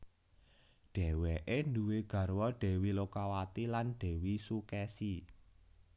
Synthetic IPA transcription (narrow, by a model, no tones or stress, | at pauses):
ɖ̥ɛ̤wɛʔenduweɡ̥ä̤rwɔɖ̥ɛ̤wilokawat̪ilanɖ̥ɛ̤wisukɛsi